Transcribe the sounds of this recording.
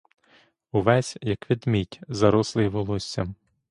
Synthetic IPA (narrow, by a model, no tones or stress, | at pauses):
uʋɛsʲjɐkʋʲid̪mʲitʲzɐɾɔslˠɪjʋɔlˠɔsʲt͡sʲːɐ